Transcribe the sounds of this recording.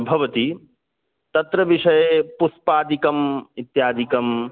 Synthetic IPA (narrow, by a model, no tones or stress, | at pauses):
bʱɐʋɐt̪i | t̪ɐt̪ɾɐʋiʂɐjepuspaːd̪ikɐmit̪jaːd̪ikɐm